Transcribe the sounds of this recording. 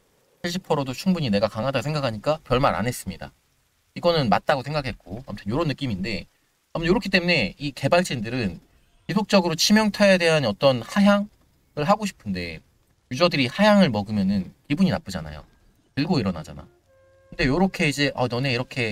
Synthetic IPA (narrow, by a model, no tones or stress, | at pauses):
t͡ɕʰiɭɕ̬͈ʰipʰʌɾodot͡ɕʰuŋbuɲine̞ɡakaŋɦadaɡosʰeŋɡakʰaɲik͈apjʌɭmaɾʔa̰nɦe̞s͈ɯmɲida̰ | iɡʌnɯnma̰t̚t͈aɡosʰe̞ŋɡakʰe̞t̚k͈oamɯtʰɯnjoɾonːɯk͈iminde̞ | amnjoɾʌkʰit͈e̞mune̞ike̞baɭt͡ɕ͈indɯɾɯn | pisʰok̚t͡ɕ͈ʌɡɯɾot͡ɕʰimjʌŋtʰajede̞ɦanʌt͈ʌnhaɦjaŋ | ɯɭɦaɡoɕʰi̥pʰɯnde̞̰ | jud͡ʑʌdɯɾihajaŋɯɭmʌɡɯmjʌnɯnpibuɲina̰p͈ɯd͡ʑa̰na̰jo̰ | tɯɭɡoiɾʌna̰d͡ʑa̰na̰ | kkɯnde̞joɾokʰe̞id͡ʑe̞ʔʌnʌne̞iɾʌkʰe̞